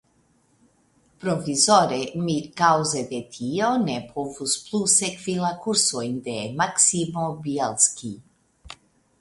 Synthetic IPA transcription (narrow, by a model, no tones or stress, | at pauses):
pɾofizoɾemikawzed̪et̪ʰionepʰovusplusekvilakuɾsojnd̪emaksimobielskʲi